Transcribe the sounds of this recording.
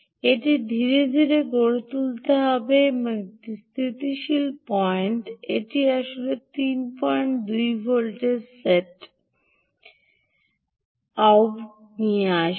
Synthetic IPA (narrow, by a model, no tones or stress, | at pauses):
eʈid̪ʱiɾed̪ʱiɾeɡoɽot̪ult̪eɦɔbemst̪ʰɾit̪iʃilpɔeɳʈeʈiaʃolet̪inpɔeɳʈ̚d̪ujbʱolʈeɾseʈ | aop | nijeaʃ